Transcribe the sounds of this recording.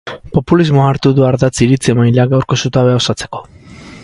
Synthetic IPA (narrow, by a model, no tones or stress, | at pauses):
po̞pulizmoaːɾt̪uðuaɾðat͡siɾit͡siemajlaɡawɾkosut̪aβe̞o̞sat͡se̞̥ko̞̥